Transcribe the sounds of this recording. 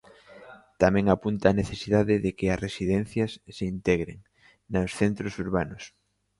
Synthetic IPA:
t̪amɛ̃ŋapunt̪aːneθesiðaðɪðekɪɐsresiðɛn̟θjɐsːeint̪ɛɣɾḛŋ | nasθent̪ɾosuɾβanʊs

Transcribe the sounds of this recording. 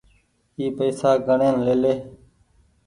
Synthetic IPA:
iːpəːsaːɡʱəɳeːnleːleː

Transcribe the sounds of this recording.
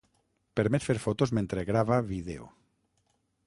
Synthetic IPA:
peɾmet̪feɾfot̪ozmẽnt̪ɾeɣɾaβaβiðḛo̰

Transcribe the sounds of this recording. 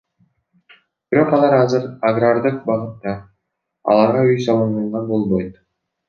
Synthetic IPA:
b̥iɾo̞qɑlˠɑɾɑzɯɾaɡrard̪ɯqbɑʁɯt̪ːɑ | ɑ̰lˠɑɾʁɑyjsɑlˠɯnd̪ɑɴʁɑnbo̞lˠbojt̪

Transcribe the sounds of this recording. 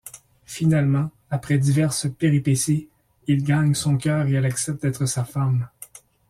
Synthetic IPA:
finalmɑ̃ | apχɛd̪ivɛʁsəpeʁipesi | ilɡaɲsɔ̃kʲœːʁeɛlaksɛp̚t̪ɛːt̪χəsafam

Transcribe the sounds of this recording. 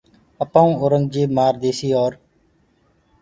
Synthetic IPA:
əpãːũːoːɾəŋɡd͡ʒeːmaːɾd̪eːsiːoːɾ

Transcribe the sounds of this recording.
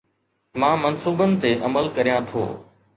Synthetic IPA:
mãːmɐnsuːbənɪ̆t̪eʔɐməlkɐɾijãt̪ʰo̰ː

